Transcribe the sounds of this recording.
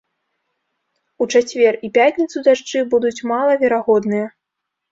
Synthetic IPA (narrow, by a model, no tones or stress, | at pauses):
ut͡ʂat͡sʲvʲɛripʲatʲnʲit̪sud̪aʂt͡ʂɨbud̪ut͡sʲmalˠɐvʲɛɾaɣɔd̪nɨjɐ